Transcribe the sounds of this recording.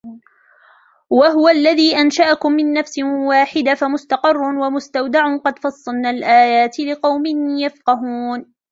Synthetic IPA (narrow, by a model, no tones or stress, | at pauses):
waɦʊwalːaðiːʔanʃaʔakʊmːɪnːafsɪwaːħɪd̪afamʊst̪ɑqɨrˤːʊnwamʊst̪awd̪aʕʊnqɑd̪fɑsˤːɑlnaːlʔaːjaːt̪ɪlɪqɑwmɪnjafqɑɦuːn